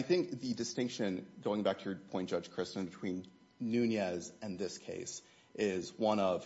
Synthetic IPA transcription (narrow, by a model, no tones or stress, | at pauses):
aɪθɪ̃ŋk̚ðɨdɨstɪ̃ŋkʃɨ̃nɡoʊɪ̃ŋbæk̚tʰɨəpʰɔ̃ɪ̃nd̥d͡ʒ̥ʌd̥ʒ̥kʰɹ̥ɪstɨ̃n̩bɨtʰw̥ĩnː | ʉnjɛzɨ̃nðɪskʰḛɪs | ʔɪzwʌ̃nʌv̥